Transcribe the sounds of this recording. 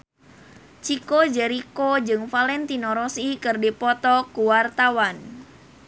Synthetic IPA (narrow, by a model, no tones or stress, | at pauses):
t͡ʃikod͡ʒɛɾikod͡ʒɨŋfalɛnt̪inɔɾɔsikɨrdipɔt̪ɔkuwart̪awan